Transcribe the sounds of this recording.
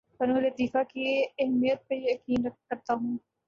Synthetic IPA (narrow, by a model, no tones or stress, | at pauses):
pɐnulɪt̪iːfakiɛɦmijət̪̚peɐkiːnkɐɾt̪aɦũː